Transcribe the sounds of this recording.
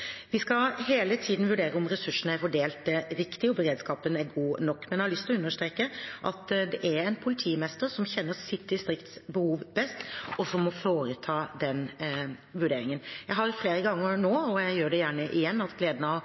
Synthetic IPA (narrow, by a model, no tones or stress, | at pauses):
ʋɪskɑɦeːlət̪ʰiːd̪n̩ʋʉɖeːɾəɔmɾɛsʉʂːənəæɾfɔɖeːlt̪ɾɪkt̪ɪɔbəɾeːd̪skɑːpənæɾɡuːnɔkːmɛnjæɪhɑɭʏst̪ɪlɔʉnːəʂt̪ɾeːkəʔɑt̪d̪ɛʔæɾɛɪnpʰʊlɪt̪ʰiːmɛst̪əɾsɔmçɛnːəɾsɪt̪̚ːdɪst̪ɾɪkt̪sbəhuːʋbɛst̪ɔsɔmːɔfoːɾət̪ʰɑːd̪ɛn | ʋʉɖeːɾɪŋənjæɪɦɑɾfleːɾəɡɑŋːəɾnoːɔjæɪjøːɖɛjæːɳəʔɪjɛnːɑt̪ɡleːd̪nəɑʋ